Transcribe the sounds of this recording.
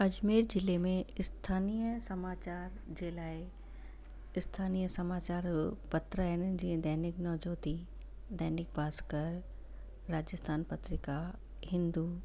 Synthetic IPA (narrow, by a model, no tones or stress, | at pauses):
ɐd͡ʑmeːɾd͡ʑɪlemẽɪst̪ʰaːnijəsɐmaːt͡ɕaːɾ | d͡ʑeːlaːɪ | ɪst̪ʰaːnijəsɐmaːt͡ɕaːɾpɐt̪ɾəɦɪn̆d͡ʑiːə̃d̪ɐɦnɪknɔːd͡ʑoːt̪i | d̪ɛɦnɪk̚baːskəɾː | aːd͡ʑəst̪ʰaːnpɐt̪ɾɪka | hɪ̃nd̪u